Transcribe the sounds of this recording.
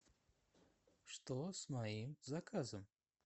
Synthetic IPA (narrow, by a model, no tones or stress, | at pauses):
ʂt̪ɔsmajimzakʰazɐm